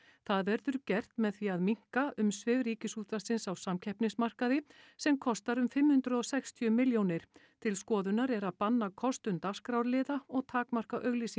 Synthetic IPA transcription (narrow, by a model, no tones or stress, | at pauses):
θaðvɛɾðʏɾcɛr̥t̪mɛðθviaðmiŋ̥kaʔʏmsvɪvɾiːcɪsuːt̪asɪnsawsamcʰɛhpnɪsmar̥kaðɪsɛmkʰɔst̪aɾʏmfɪmhʏnt̪ɾʏðɔsɛkst̪ʰjʏmɪljownɪɾ̥ | t̪ʰɪlskɔːðʏnaɾɛɾaðpanːakʰɔst̪ʏnt̪askɾawɾlɪːðaɔɣt̪ʰaːkmar̥kaʔœɣlisi